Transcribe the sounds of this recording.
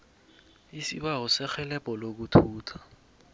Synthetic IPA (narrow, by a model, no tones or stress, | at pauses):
isiɓaɦɔsɛxɛlɛpʼɔlok̬utʰuːtʰḁ